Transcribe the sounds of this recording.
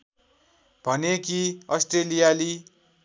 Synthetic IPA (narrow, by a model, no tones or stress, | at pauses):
b̥ʱʌnekiʌsʈrelijali